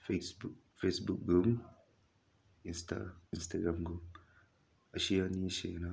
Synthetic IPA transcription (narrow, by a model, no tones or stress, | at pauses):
fesbuk̚ | fesbuk̚ɡum | insta̰instaɡɾãmɡum | aʃianiʃḛna